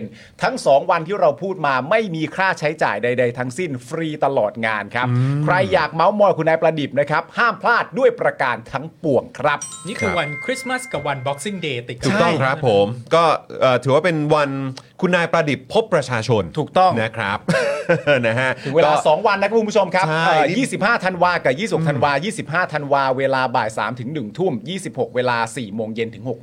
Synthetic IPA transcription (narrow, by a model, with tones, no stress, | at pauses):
n | t̪ʰa˦˥ŋsɔː˩˦ŋwa˧nt̪ʰiː˥˩ɾa˧wpʰuː˥˩t̪̚maː˧ma˥˩jmiː˧kʰɾaː˥˩t͡ɕʰa˦˥jt͡ɕa̰ː˨˩jda˧jda˧jt̪ʰa˦˥ŋsi˥˩nfɾiː˧t̪a˧lɔː˨˩t̪̚ŋaː˧nkʰa˦˥p̚kʰɾa˧jːaː˨˩k̚ma˦˥wmɔː˧jkʰu˧nːaː˧jpɾa˧di˨˩p̚na˦˥kʰa˦˥p̚haː˥˩mpʰlaː˥˩t̪̚du˥˩əjpɾa˧kaː˧nt̪ʰa˦˥ŋpu˨˩əŋkʰɾa˦˥p̚niː˥˩kʰɯː˦˧wa˧nkʰɾi˦˥sma˥˩ska˨˩wa˧nbɔ˦˥k̚si˥˩ŋdeː˧t̪i˨˩k̪ʰuː˨˩k̚t̪ɔ˥˩ŋkʰɾa˦˥pʰːo˩˦mkɔː˥˩ʔɤː˨˩t̪ʰɯː˨˩˦waː˥˩pe˧nwa˧nkʰu˧nːaː˧jpɾa˧di˨˩pʰːo˦˥pːɾa˧t͡ɕʰaː˧t͡ɕʰo˧nt̪ʰuː˨˩k̚t̪ɔ˥˩ŋna˦˥kʰɾa˦˥p̚ː | na˦˥ɦa˦˥ɯ˩˦we˧ɔlːaː˧sɔː˩˦ŋwa˧nːa˦˥kʰa˦˥ku˧˦u˥t͡ɕʰo˧mkʰa˦˥a˥˩ʔəː˨˩jiː˥˩si˨˩p̚haː˥˩t̪ʰa˧nwaː˧kaː˨˩jiː˥˩po˨˩t̪ʰa˧n˨waː˧jiː˥˩si˨˩p̚ɦaː˥˩t̪ʰa˧nwaː˧weː˧laː˧baː˨˩t̪̚sa̰ː˩˦mt̪ʰɯ˩˦ŋnɯ˨˩ŋt̪ʰu˥˩mjiː˥˩si˨˩p̚ho˨˩k̚weː˧laː˧siː˨˩moː˧ŋje˧nt̪ʰɯ˩˦ŋho˨˩k̚